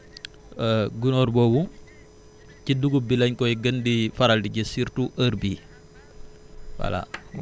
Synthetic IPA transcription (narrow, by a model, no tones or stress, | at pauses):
ɡunɔɾbɔwu | ciduɡubilɐɲkɔɡəndifaɾaldiɟəsiɾtuʔəɾbi | wa̰la̰